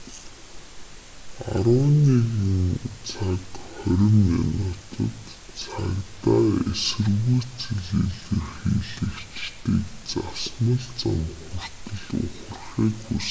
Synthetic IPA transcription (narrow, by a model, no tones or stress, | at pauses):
a̰ɾʊːniːɣuŋt͡sʰakχœɾʲɪ̆minʊt̪ʰə̰̆t̪ | t͡sʰakt̪aːesɘ̆rɣujʰt͡sʰɘɮeɮɘ̆rxiːɮɘ̆kt͡ɕt̪iːkt͡sasmə̆ɮt͡samxur̥t̪ɵ̆ɮʊ̰χə̆rχiːkxus